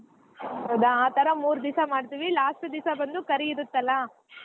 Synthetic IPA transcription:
ɐd̪ɐaːt̪ɐɾɐmuːɾd̪isamaːɖt̪iːʋilaːsʈud̪isabɐnd̪ukɐɾiiɾut̪ːɐlːɐ

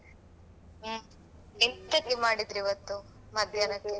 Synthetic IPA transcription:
ent̪ɐkːimaːɽid̪ɾiʋɐt̪ːu | mɐd̪ʱjaːnɐkːe

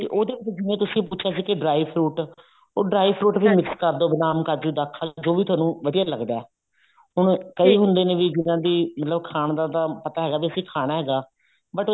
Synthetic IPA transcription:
t̪ḛʔoːd̪eːʋɪt͡ʃd͡ʒɪnẽːt̪ʊsĩpuːt͡ʃʰaːsiːkɪɖɾaːipʰɾuːʈ | oːɖɾaːipʰɾuːʈbiːmɪkskəɾd̪oːbɪnaːmkəɾd͡ʒũːd̪aːkʰːaːd͡ʒoːʋiːt̪ʰwaːnũːʋəd̪ijaːləɡd̪aːɛː | ɦʊɳkəiːɦʊ̃nd̪eːnẽːʋiːd͡ʒɪnãːd̪iːmət̪ləbkʰaːɳd̪ãːd̪aːpət̪aːɦɛːɡaːbiːəsĩːkʰaːnaːɦɛːɡaː | bəʈː

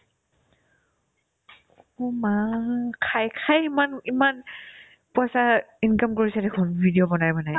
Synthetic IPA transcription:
umakʰajkʰajimaniman | puasainkamkoɹisadɛkʰɔnbʱidiɔbɔnajbɔnaj

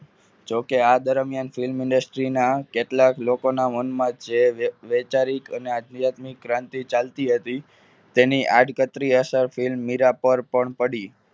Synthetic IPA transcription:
d͡ʒokead̪əɾmjanfɪlmɪ̃ɳɖəsʈɾinakeʈlaklokonamənmãd͡ʒeʋet͡ʃaɾikənead̪njat̪mik̚ɡɾãnt̪it͡ʃalt̪iɦət̪i | t̪eniʔaɖkət̪ɾiəsəɾfilmːiɾapəɾpəɳpəɽi

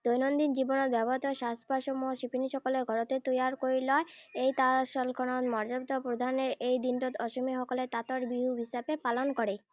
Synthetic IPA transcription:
d̪ojnond̪ind͡ʑiboneɾbɛbɔɦɔt̪ɔeʃast̪baʃomuʃipʰiniʃɔkoleɡʱɔɾot̪et̪ojaɾkoilɔeejt̪aʃɔlkʰonot̪mɔɾd͡ʑobd̪ʱopɾod̪ʱaneɾejd̪inʈot̪ɔʃomiɦɔkolet̪at̪oɾbiɦuɦiʃabepalonkoɾe

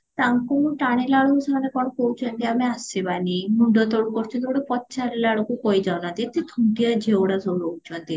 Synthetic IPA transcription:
t̪aŋkuʈaɽ̃ilaɭɔkusamanekɔɽ̃ɔkowt͡ʃʰɔnt̪iameasibanimuɳɖɔt̪ɔɽukɔɾt͡ʃʰɔnt̪oɽepɔtːt͡ʃʰaɾilaɭɔkukojd͡ʒɔnad̪iet̪ʰit̪ʰuŋʈiad͡ʒʱewɽasɔowt͡ʃʰɔnt̪i

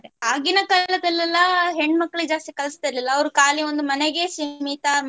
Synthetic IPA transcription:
ɾeaːɡinɐkɐlːɐd̪ɐlːilːɐɦeɳːɖmɐkːɐɭid͡ʒaːst̪ikɐlist̪aɾɐlilːɐːʋɾukaːlio̞nd̪umɐneɡesimit̪a

